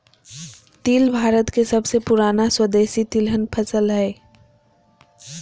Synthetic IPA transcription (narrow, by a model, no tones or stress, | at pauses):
t̪iːlbʱaːɾət̪kesɐbsepʊɾaːnaswəd̪eːsit̪ilɦənpʰəsəlɦɛː